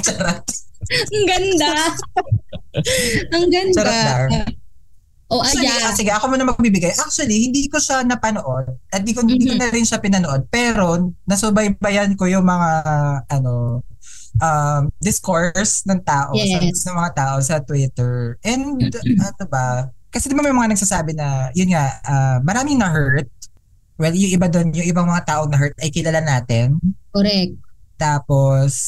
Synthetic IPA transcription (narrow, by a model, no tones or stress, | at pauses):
t͡ʃɐɾɐt̪ɐŋɡɐnd̪a | ɐŋɡɐnɐɾɐda | ʔojɐsɪɡɛʔɐkomonɐŋmɐɡ̚biːbɪɡajʔak̚t͡ʃʊwɐlihɪnd̪iːkoʃanɐpɐnoʔo̞d̪̚ɐt̪̚d̪ikoɪnd̪iːkonɐɾɪnʃapɪnɐnoʔo̞d̪̚pɛːɾo̞nɐsʊbɐjbɐjɐnko̞jʊŋmɐŋaaʔɐno̞ | ʔɐmd̪ɪskoɹsnɐŋt̪aːʔosɐsnɐŋmɐŋat̪aːʔo̞sɐt̪wɪt̪ɛɹʔɛnd̪ʔɐnobɐkɐsɛd̪ɪbamɐjmɐŋanɐɡ̚sasaːbɪnɐjʊnŋaʔaːmɐɾaːmɪŋnɐɦɛɹt̪̚ | wɛljʊŋʔɪbad̪onjʊŋʔɪbaŋmɐŋat̪aːʔoŋnɐɦɛɹt̪̚ɐjkɪlalanaːt̪ɪnkɾɛk̚t̪aːpos